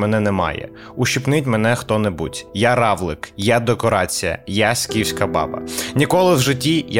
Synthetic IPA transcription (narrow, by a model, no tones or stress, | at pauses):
mɛnɛnɛmɑ̰jɛ̰ | ʊʃʲipnɪtʲmɛnɛxt̪ɔnɛbṵtʲjaɾɑʋlˠɪkjad̪ekɔɾɑt͡sʲijɐ̰jasʲkʲiwsʲkɐbɑ̰bɐ̰nʲikɔlˠɪwʒɪtʲːij